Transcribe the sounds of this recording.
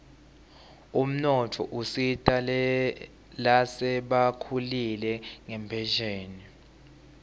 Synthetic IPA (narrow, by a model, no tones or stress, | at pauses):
um̩nɔtʰɔ̰ʔusitʼa | lasɛɓakʰulilɛŋɛmpʰɛʒeːni